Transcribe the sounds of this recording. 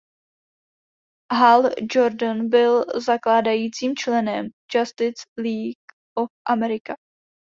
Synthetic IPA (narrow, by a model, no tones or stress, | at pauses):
ɦald͡ʒoɾdənbɪlzaklaːdajiːt͡siːmt͡ʃlɛnɛmd͡ʒast̪ɪt͡sliːɡ | ʔofʔamɛɾɪka